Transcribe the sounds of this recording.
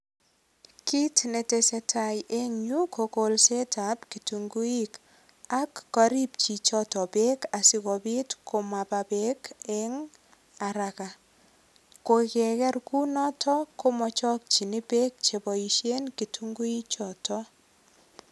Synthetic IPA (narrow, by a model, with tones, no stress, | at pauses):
ki˦tne˨te˨se˨tʰa˨jʔe˦ŋɲu˦ko˨ko˨lse˦tʰa˨˦pki˨tu˨ŋɡu˦i˦k | a˦kːɔ˨ɾi˦p̚t͡ʃi˨t͡ʃɔ˦tɔ˨pe˦ka˨si˦kɔ˨bi˦tkʰo˨ma˨pa˨pe˦ke˦ŋ | a˨ɾa˨ka˨ | ko˨kɛ˨kɛ˦rku˦nɔ˦tʰɔ˦ko˦mɔ˨t͡ʃɔ˦k̚t͡ʃi˨ni˦pe˦k̚t͡ʃe˨bɔ˨iʃe˦nki˨tʰu˦ŋɡu˦i˦t͡ʃɔ˨tʰɔ˦